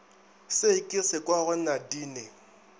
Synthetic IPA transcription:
sekʼɪsɪkʼwaɣʊnadiːne

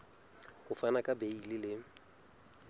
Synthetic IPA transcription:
hʊfanakʼabeilɪlɪ

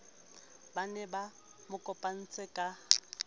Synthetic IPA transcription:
banɛba | mʊkʼɔpʼan̩t͡sʼɪkʼa

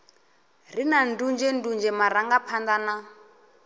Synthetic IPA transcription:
rinan̩dund͡ʒɛn̩dund͡ʒɛmaɾaŋɡapʰand̪ana

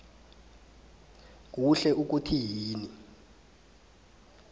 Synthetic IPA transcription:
k̬uɬɛʔuk̬utʰiɦiːni

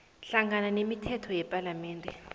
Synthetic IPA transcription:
ɬaŋɡananemitʰɛtʰɔjɛpʼalamɛːndʱʼɛ

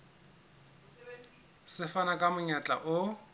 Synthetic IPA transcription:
sɪfanakʼamʊɲat͡ɬʼa̰ʔʊ

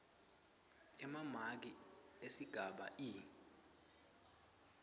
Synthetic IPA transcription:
ɛmamak̬iesiɡ̥ʱaɓa̰ʔiː

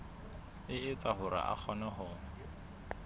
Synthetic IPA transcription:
ɪɪt͡saɦʊɾa̰ʔa̰k͡xʰɔnɛɦʊːŋ̩

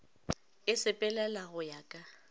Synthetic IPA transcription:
ɪsɪpʼɛlɛlaɣʊjakʼa

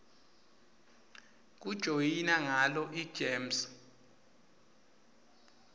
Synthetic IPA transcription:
k̬ud̥ʒ̥ʱojinaŋalɔʔi̥ʒ̥ʱeːms

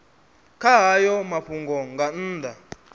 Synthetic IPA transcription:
kʰaɦajɔmaɸʰuŋɡɔŋɡan̩ːdʱa

